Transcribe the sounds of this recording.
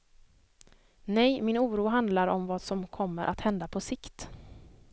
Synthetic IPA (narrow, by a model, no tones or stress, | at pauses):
nɛjmɪnuːɾuːɦand̪laɾɔmvaːd̪sɔmkʰɔmːəɾʔa̰t̪hɛnd̪apʰɔsɪkt̪